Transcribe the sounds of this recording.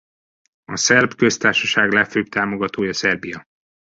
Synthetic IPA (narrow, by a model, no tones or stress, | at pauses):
ɒsɛrbkø̞st̪aːrʃɒʃaːɡlɛføːpt̪aːmo̞ɡɒt̪oːjɒsɛrbijɒ